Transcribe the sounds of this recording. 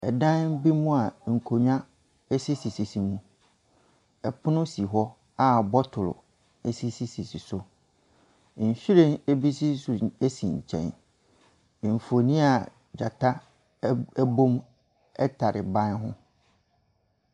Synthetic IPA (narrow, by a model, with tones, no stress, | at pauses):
ɛ̰˨dã˦nm̩˦bi˦mũ˦a˨ŋ̩˨kʰo˨ɲᶣã˦ | ɛ˦si˦si˨si˨si˨mũ˦ | ɛ˨pʰʊ˦nʊ̃˦si˨ɦɔ˦ | a˦˨bɔ˦tʰʊ˨lʊ̰˨ | ɛ˦si˦si˦si˨si˨sʊ˦˨ | ɕᶣi˦ɾẽ˦ne˦bi˦si˦ssʊ˨e˦sĩ˨ɲ˨t͡ɕʰɛ̰̃˨n˨ | ɱ̩˨fo˨nĩ˦a˨ | d͡ʑa̰˨tʰa˦ | æ˦bõ˦m | ɛ̰˦tʰa˨ɾɪ̰˨bã˦nɦʊ̰̃˦